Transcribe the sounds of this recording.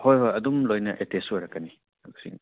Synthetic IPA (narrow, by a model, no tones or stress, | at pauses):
hojɦojɐdumlojnɐ̰ʔetesojɾɐkːɐni | aɡusḭŋ